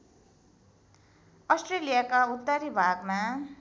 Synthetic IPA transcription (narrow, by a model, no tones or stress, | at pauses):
ʌsʈrelijakaut̪ːaɾibʱaɡma